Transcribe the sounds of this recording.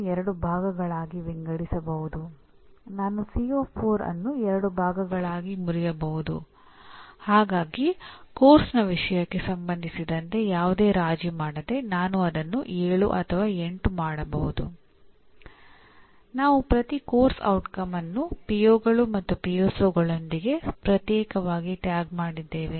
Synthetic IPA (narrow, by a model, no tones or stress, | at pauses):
ɛɾɐɽubʱaːɡɐɡɐɭaːɡiʋiŋɡɐɽisɐbɐɦud̪u | naːnusijoːpʰoːɾɐ̰nːuɛɾɐɽubʱaːɡɐɡɐɭaːɡimuɾijɐbɐɦud̪ṵ | haːɡaːɡikoːɾsnɐʋiʂɐjɐkːesɐmbɐnd̪ʱisid̪ɐnt̪e̞jaːʋud̪eːɾaːd͡ʒimaːɽɐd̪e̞naːnuɐd̪ɐnːuʔeːɭṵʔɐ̰t̪ʰɐʋaːe̞ɳʈumaːɽɐbɐɦud̪ṵ | naːʋupɾɐt̪iko̞ːɾsɐ̰wʈkɐmɐnːupijoːɡɐɭumɐt̪ːupijoːsoːɡɐɭond̪iɡe̞pɾɐt̪jɛːkɐʋaːɡiʈjaːɡmaːɽid̪ːe̞ːʋe̞